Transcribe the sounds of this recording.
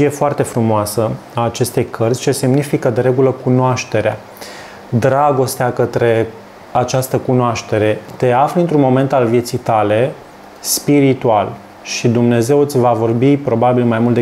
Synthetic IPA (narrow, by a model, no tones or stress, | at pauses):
ʃije̞foart̪e̞fɾumoasəaːt͡ʃe̞st̪e̞jkʰərsʲt͡ʃe̞se̞mnifikəd̪e̞ɾe̞ɡuləkunoaʃt̪e̞ɾea̰ | d̪ɾaɡo̞st̪eakət̪ɾe̞ | at͡ʃast̪əkunoaʃt̪e̞ɾe̞t̪e̞afləɨnt̪ɾunmo̞me̞nt̪alvje̞t̪sijt̪ale̞ | spiɾit̪ual | ʃid̪umne̞ze̞wɨt̪sʲvavo̞rbipɾo̞babilmajmult̪e